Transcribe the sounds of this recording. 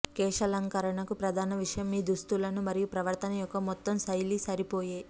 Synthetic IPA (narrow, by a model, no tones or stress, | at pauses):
kɛːʂɐlɐŋkɐɾɐɳɐkupɾɐd̪ʱaːnɐʋiʂɐjɐmːiːd̪ust̪ulɐnumɐɾijupɾɐʋɐɾt̪ʰɐnɐjɔkːɐmɔt̪ːɐmsɐjlisɐɾipoːjeː